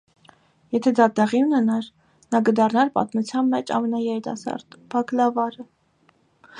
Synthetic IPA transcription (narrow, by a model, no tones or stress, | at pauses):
jɛt̪ʰɛd̪ɑt̪ɛʁiunɛnɑɾ | nɑk̬əd̪ɑrnɑɾpɑ̰t̪mut͡sʰjɑnmɛt͡ʃʰɑ̰mɛnɑjɛɾit̪ɑ̰sɑ̰ɾt̪b̥ɑklɑvɑɾə